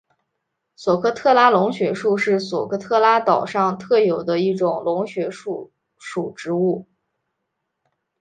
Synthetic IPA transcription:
swɔ˨˩kʰɤ˥t̪ʰɤ˥˩la˥lʊ˧˥ŋɕɥɛ˧˥ʂu˥˧ʂɻ̩˥˩swɔ˨˩kʰɤ˥t̪ʰɤ˥˩la˥t̪ɑ˨˩ʊʂɑ˥˧ŋt̪ʰɤ˥˩jo˨˩ʊd̪ə˦i˥˩ʈ͡ʂʊ˨˩ŋlʊ˧˥ŋɕɥɛ˧˥ʂu˥˩ | ʂu˨˩ʈ͡ʂɻ̩˧˥u˥˩

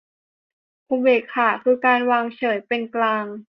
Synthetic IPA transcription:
pʰoː˧beː˨˩t̚kʰaː˨˩kʰɯː˧kaː˧nwaː˧ŋt͡ɕʰɤː˩˦jpe˧nklaː˧ŋ

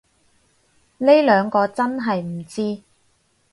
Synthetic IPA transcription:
ne˥jlœː˨˧ŋkɔː˧t͡sɐ˥nɦɐ˨jm̩˨˩t͡siː˥

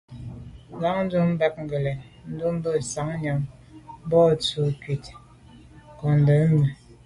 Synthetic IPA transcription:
la˨˦ŋn̩˦du˦m̩˦bɛ˦k̚ŋ̩˨ɡə˨lɛ˨ | n̩˦du˦m˦bə˦˨sa˨˦ŋ˦ɲa˨˦ŋ˦ | bɔ˦˨t͡su˨kɥi˨t | kɔ˨n˨də˨˦m̩˦mi˨

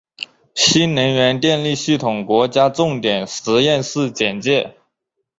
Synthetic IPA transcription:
ɕi˥nnə˧˥ŋɥɛ˧˥nt̪jɛ˥˧nli˥˧ɕi˥˩t̪ʰʊ˨˩ŋkwɔ˧˥t͡ɕja˥ʈ͡ʂʊ˥˩ŋt̪jɛ˨˩nʂɻ̩˧˥jɛ˥˧nʂɹ̩˥˩t͡ɕjɛ˨˩nt͡ɕjɛ˥˩

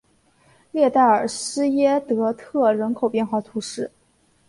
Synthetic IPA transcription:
ljɛ˥˧t̪a˥˩ɪə̰˞˨˩ʂɻ̩˥jɛ˥t̪ɤ˧˥t̪ʰɤ˥˩ɻə˧˥nkʰo˨˩ʊpjɛ˥˧nxwɑ˥˩ʊt̪ʰu˧˥ʂɻ̩˥˩

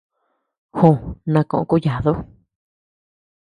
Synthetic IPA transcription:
hõ˧˨nã˧kõ˧ʔõ̰˧ku˦ja˨ðo˦

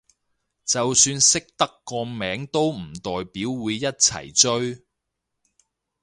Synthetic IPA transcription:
t͡sɐ˨wsyː˧nsɪ˥k̚t̪ɐ˥kːɔː˧mɛː˨˥ŋt̪o˥wm̩˨˩t̪ɔː˨jpiː˨˥wwuː˨˧jːɐ˥t̚t͡sʰɐ̰˨˩jt͡ʃɵ˥ɥ

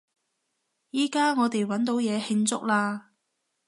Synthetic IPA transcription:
jiː˥kaː˥ŋɔː˨˧t̪e˨jwɐ˨˥nt̪o˨˥wjɛː˨˧hɪ˧ŋt͡sʊ̰˥k̚laː˧

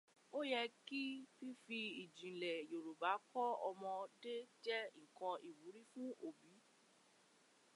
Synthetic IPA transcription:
o˦jɛ˧ki˦fi˦fi˧i˨d͡ʒĩ˨lɛ˨jo˨ɾo˨ba˨˦kɔ˦ɔ˧mɔ̃˧de˦d͡ʒɛ˦ŋ̩˨kɔ̃˧i˨wu˨˦ɾi˦fũ˦o˨bi˨˦

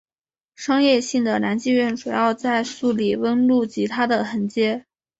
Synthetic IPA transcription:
ʂɑ˥ŋjɛ˥˧ɕi˥˩ŋd̪ə˩na˧˥nt͡ɕi˥˧ɥɛ˥˩nʈ͡ʂu˨˩jɑ˥˧ʊt͡sa˥˧ɪsu˥˩li˨˩wə˥nlu˥˩t͡ɕi˧˥t̪ʰa˥d̪ə˨xə˧˥nt͡ɕjɛ˥

